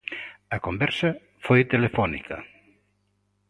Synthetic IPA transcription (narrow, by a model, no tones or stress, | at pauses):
ɐkombɛɾsɐ | fojt̪elefɔnḭkɐ̰